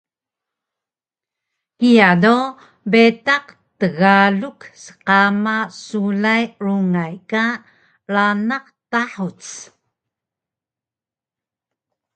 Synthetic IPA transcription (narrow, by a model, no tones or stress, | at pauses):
kijado | betaq | təɣaluksə̥qamasulajɾuŋajka | ɭanaqtaħut͡s